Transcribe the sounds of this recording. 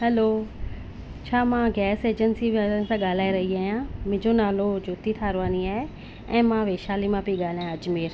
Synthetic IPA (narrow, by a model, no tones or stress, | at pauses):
ɦɛloː | t͡ɕʰaːmãːɡɛːseːd͡ʒənsibasãɠaːl̤aːeɾɐɦiaːijãmɪ̃d͡ʒonaːlod͡ʑoːt̪it̪ʰaːɾʋaːniaːɦe | ɛ̃ːmãʋeːʃaːlimãpiɠaːl̤aːjãɐd͡ʒmeːɾ